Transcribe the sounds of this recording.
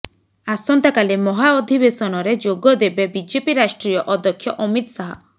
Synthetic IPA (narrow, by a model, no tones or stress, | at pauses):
asɔnt̪akalemɔɦaɔd̪ʱibesɔnɔɾed͡ʒoɡɔd̪ebebid͡ʒepiɾaʃʈɾijɔʔɔd̪ɔkʰjɔʔɔmit̪saɦɔ̰